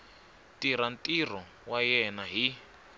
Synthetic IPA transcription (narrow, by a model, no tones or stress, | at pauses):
tiɾantʼir̤ɔ | wajɛnaɦi